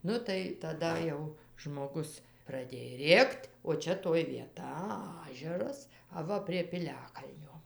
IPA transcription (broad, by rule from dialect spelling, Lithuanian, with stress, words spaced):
ˈnʊ tɐɪ tɐˈdɐ jɛʊ ʒmoːˈɡʊs prɐˈdʲeːj ˈrʲeːktʲ oː ˈt͡ʃʲɛ toːj ʋʲiɛˈtɐ ˈɑːʒʲɛrɐs ɐˈʋɐ pʲrʲiɛ pʲɪˈlʲæːkɐlʲnʲoː